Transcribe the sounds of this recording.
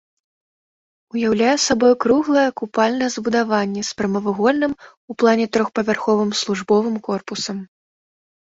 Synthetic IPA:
ujawlʲajɛsabɔjkɾuɣlˠɐjɛkupalʲnɐjɛzbud̪avanʲːɛspɾɐmɐvɨɣɔlʲnɨm | uplˠanʲɛt̪ɾɔxpɐvʲarxɔvɨmslˠuʐbɔvɨmkɔrpusɐm

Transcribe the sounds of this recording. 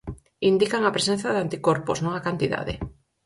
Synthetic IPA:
ind̪ikaŋapɾesẽn̟θaðant̪ikoɾposnuŋakant̪iða̰ðḛ

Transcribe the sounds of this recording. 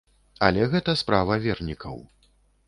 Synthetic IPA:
ɐ̰lʲɛɣɛt̪ɐspɾavɐvʲɛrnʲikʰɐ̰w

